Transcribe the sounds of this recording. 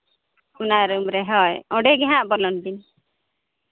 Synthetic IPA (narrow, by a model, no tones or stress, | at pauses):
kunaɾumɾeɦɔjɔ̃ɖeɡɛɦãʔbɔlɔnt̪ini